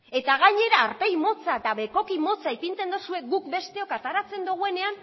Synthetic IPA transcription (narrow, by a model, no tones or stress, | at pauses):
e̞t̪aɣ̞aɲe̞ɾaːɾpe̞jmo̞t͡saet̪aβe̞ko̞kimo̞t͡sajpint͡s̪e̞nd̪usue̞k̚ɡukbe̞st̪e̞o̞kat̪aɾat͡se̞nd̪uɣ̞ue̞ne̞an